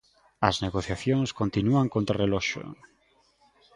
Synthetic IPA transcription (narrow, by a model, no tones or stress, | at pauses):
ɐzneɣoθjaθjoŋskont̪inuaŋkõnt̪ɾarelɔʃo̰